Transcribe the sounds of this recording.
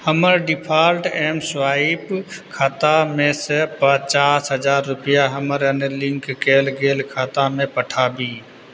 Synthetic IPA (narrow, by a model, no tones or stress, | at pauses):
həməɾɖɪpʰaːlʈeːmsʋaːɪpkʰaːt̪amẽsəpət͡ʃaːsɦəd͡ʒaːɾːʊpɪjaɦəməɾənelɪ̃ŋkːeːlɡeːlkʰaːt̪amẽpəʈʰaːbiː